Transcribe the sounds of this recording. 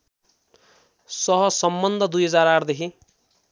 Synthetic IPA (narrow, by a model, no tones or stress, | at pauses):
sʌɦʌsʌmbʌnd̪ʱʌd̪ujɦʌd͡zaɾard̪ekʰi